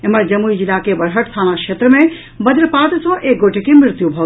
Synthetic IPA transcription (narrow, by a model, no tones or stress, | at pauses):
eməɾd͡ʒəmuid͡ʒilakebəɾɦəʈst̪ʰaːnakʃet̪ɾəmẽ | bəd̪ɾəpat̪sɔ̃ʔeːk̚ɡoʈʰekemɾɪɾt̪jubʱɔ